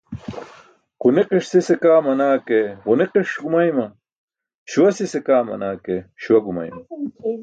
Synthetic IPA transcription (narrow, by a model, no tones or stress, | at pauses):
quneqiʂsisekaːmɐnaːkeʁuneqiʂɡumajmɐ | ɕuwɐsisekaːmɐ̰naːkeɕuwɐɡuma̰jm